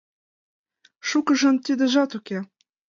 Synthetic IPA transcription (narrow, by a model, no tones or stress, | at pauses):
ʃukɤ̆ʒɤ̆nt̪ʲid̪ɘ̆ʒɑt̪ukʲe